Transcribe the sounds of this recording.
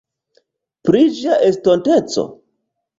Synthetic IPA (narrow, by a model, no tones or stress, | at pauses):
pɾid͡ʒiaʔestontet͡so̰